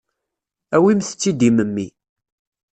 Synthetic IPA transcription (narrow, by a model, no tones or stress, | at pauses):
æwimθə̥t͡sːid̪iməmːi